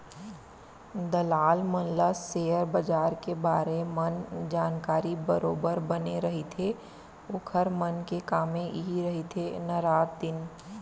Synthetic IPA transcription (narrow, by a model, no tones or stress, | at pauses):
d̪ɐlaːlmənləseːəɾbəd͡ʒaːɾkebaːɾemənd͡ʒaːnkaːɾibəɾoːbəɾbəneɾɐɦit̪ʰe | ʊkʰəɾmənkekaːmẽʔɦiɾɐɦit̪ʰenəɾaːd̪d̪ɪn